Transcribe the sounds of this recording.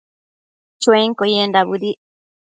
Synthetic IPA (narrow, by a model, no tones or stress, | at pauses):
t͡ʃweŋkojendaβuɾi